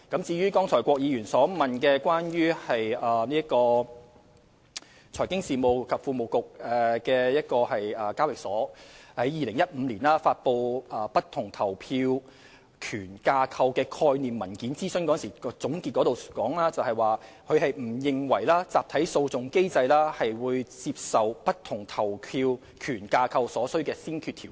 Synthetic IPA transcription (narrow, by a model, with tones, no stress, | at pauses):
kɐ˨˥mt͡siː˧ɥyː˥kɔː˥ŋt͡sʰɔː˨˩jkʷɔː˧k̚jiː˨˧ɥyː˨˩nsɔː˨˥mɐ˨nkɛː˧kʷwaː˥nɥyː˥hɐ˨jɐː˨niː˥kɔː˧ | t͡sʰɔː˨˩jkɪ˥ŋsiː˨mo˨wkʰɐ˨p̚fuː˧mo˨wkʊ˨k̚ɛ˨˧kɛː˧jɐ˥t̚kɔː˧hɐ˨jɐː˨˩kaː˥wɪ˨k̚sɔː˨˥hɐ˨˥jːiː˨lɪ˨˩ŋjɐ˥t̚m̩ː˨˧liː˨˩nlaː˥faː˧t̚po˧wʔɐː˨pɐ˥t̚t̪ʰʊ˨˩ŋt̪ʰɐ˨˩wpʰiː˧w | kʰyː˨˩nkaː˧kʰɐ˧wkɛː˧kʰɔː˧jniː˨mːɐ˨˩nkiː˨˥nt͡siː˥sɵ˥nkɔ˨˦˥nsiː˨˩ɔ˧˥t͡sʊ˨˥ŋkiː˧t̚kɔ˨˥ɾo˨wkɔː˨˥ŋlaː˥t͡sɐ˨whɐ˨˩jwaː˨ | kʰɵ˨˧ɦɐ˨jm̩˨˩jɪ˨ŋwɐ˨˩jlaː˥t͡saː˨p̚t̪ʰɐ˨˥jso˧wt͡sʊ˨ŋke˥jt͡sɐ˧jlaː˥hɐ˨jwuː˨˧jt͡si˧p̚sɐ˨wpɐ˥t̚t̪ʰʊ˨˩ŋt̪ʰɐ˨˩wpʰiː˧w | kʰyː˨˩nkaː˧kʰɐ˧wsɔː˨˥sɵ˥ɥkɛː˧siː˥nkʰyː˧t̪ʰiː˨˩w